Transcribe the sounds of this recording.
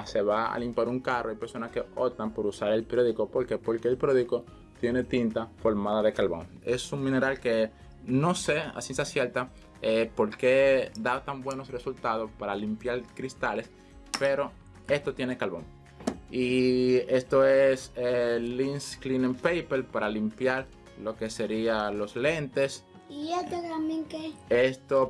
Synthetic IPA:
se̞βaa̰limpjaɾuŋkarʔoajpe̞ɾso̞naske̞o̞t̪ampo̞ɾusaɾelpɾjoðiko̞po̞ɾke̞po̞ɾkeːlpɾoðiko | t̪je̞ne̞t̪int̪afo̞ɾmaðaðe̞kalβo̞̰ŋe̞suŋmĩne̞ɾalke | no̞se̞a̰sinsasje̞ɾt̪a | epo̞ɾke̞d̪at̪ambwe̞no̞sre̞sult̪að̞o̞spaɾalimpjaɾkɾist̪ale̞s | pe̞ɾo̞ | e̞st̪o̞t̪je̞nekalβo̞̰ŋ | ie̞st̪o̞eselinsklinempejpelpaɾalimpjaɾ | lo̞ke̞se̞ɾialo̞sle̞nt̪e̞s | iet̪otamjeŋkeest̪o

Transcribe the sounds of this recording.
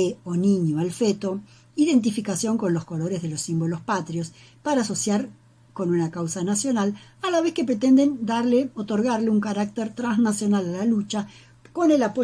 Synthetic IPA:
eonĩɲoalfet̪o̞ | iðe̞nt̪ifikasjo̞ŋko̞nlo̞sko̞lo̞ɾe̞zð̞e̞lo̞sːimbo̞lo̞spat̪ɾjo̞s | paɾaːso̞sjaɾ | ko̞nunakawsanasjo̞nalalaβ̞e̞ske̞pɾe̞t̪e̞nd̪e̞nd̪aɾleo̞t̪o̞ɾɣaɾleuŋkaɾak̚t̪eɾt̪ɾanznasjo̞nalalalut͡ʃa | ko̞ne̞lapo

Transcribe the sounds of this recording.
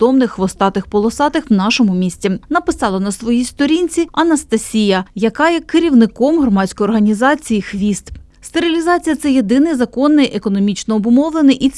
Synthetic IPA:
ɔmnɪxʋɔst̪ɑt̪ɪxpɔlˠɔsɑt̪ɪxwnɑʃɔmʊmʲisʲtʲinɐpɪsɑlˠɐnɐsʋɔjijst̪ɔɾʲinʲt͡sʲiɐnɐst̪ɐsʲijɐjɐkɑjɛkɪɾʲiwnɪkɔmɦrɔmɑsʲkɔjɔrɦɐnʲizɑt͡sʲijixʋʲist̪ | st̪eɾʲilʲizɑt͡sʲijɐt̪sɛje̞d̪ɪnɪjzɐkɔnːɪjʔekɔnɔmʲit͡ʃnɔːbʊmɔwlˠenɪjʔi

